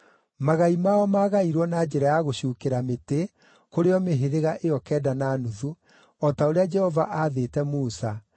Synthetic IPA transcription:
maɣaimaɔmaːɣaiɾwɔnad͡ʒɛɾajaɣoɕuːkeɾamete | koɾeɔmeɦeɾeɣaʔejɔkɛːdanaːnuðu | ɔtaoɾead͡ʒɛhɔvaʔaðetɛmuːsa

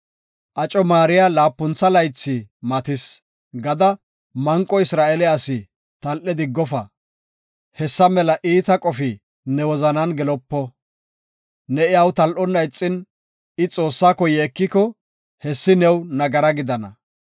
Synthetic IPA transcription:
ʔɐt͡ʃʼɔmaːɾɪjalaːpːʊnt͡sːɐlɐjt͡sːɪmɐt̪ɪs | ɡɐd̪ɐ | mɐŋkʼɔɪsɾaːʔɛlɛɐsɪ | t̪ɐlʔɛd̪ɪɡːɔfɐ | hɛsːɐmɛlɐʔiːt̪ɐkʼɔfɪ | nɛwɔzɐnɐnɡɛlɔpːɔ | nɛɪawt̪ɐlʔɔnːɐjt͡sʼːɪn | ɪt͡sʼo̞ːsːaːkɔjeːkːɪkɔ | hɛsːɪnɛwnɐɡɐɾɐɡɪd̪ɐnɐ

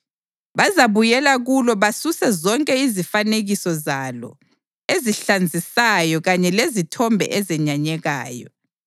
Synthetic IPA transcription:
βazaβujɛlaɣulɔβasusɛzɔŋkʼɛizifaneɣisɔzalɔ̰ | eziɬand͡zʱisajɔɣaɲɛlezitʰɔmbʱɛ̰ʔɛzɛɲaɲɛɣaːjɔ̰

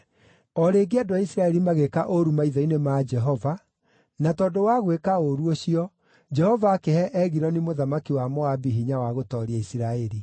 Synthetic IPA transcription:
ɔɾeːɡeadoaisiɾaɛɾimaɣekaʔoɾumaiðainemaːd͡ʒɛɦɔva | natɔdowaɣwekaoɾuoɕiɔ | d͡ʒɛhɔvaːkehɛʔɛɣiɾɔnimoðamakiwamɔabiɦiɲawaɣotɔɾiaisiɾaeɾi

